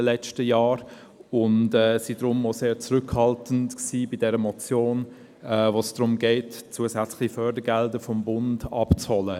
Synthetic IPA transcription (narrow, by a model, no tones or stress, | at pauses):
əlɛt͡stəjaːɾ | ʊndɛːsid̥ɾʊmoseːt͡sʁʏkhɑltən̩tksiːbɪdɛɾəmɔt͡sjoːn | ɛːvoːsd̥ʁʊmɡeɪtt͡suəsɛt͡slɪifœdəɡɛldəfɔmbʊndɑ̰pt͡shɔlə